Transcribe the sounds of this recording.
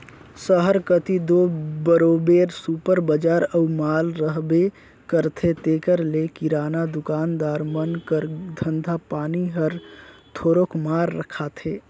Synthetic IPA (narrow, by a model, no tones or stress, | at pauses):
səɦəɾkət̪id̪oːbəɾoːbeːɾsuːpəɾbəd͡ʒaːɾəumaːlɾəɦbe | kəɾt̪ʰet̪eːkəɾlekiɾaːnad̪ʊkaːnd̪aːɾmənkəɾd̪ʱə̃nd̪ʱapaːniɦəɾt̪ʰoːɾokmaːɾːəkʰat̪ʰeː